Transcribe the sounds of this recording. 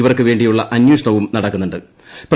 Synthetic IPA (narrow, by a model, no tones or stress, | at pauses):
iʋɐrkːɨʋe̞ːɳɖijuɭːɐʔɐnjuːʂɐɳɐʋumnɐɽɐkːunːuɳɖɨ | pr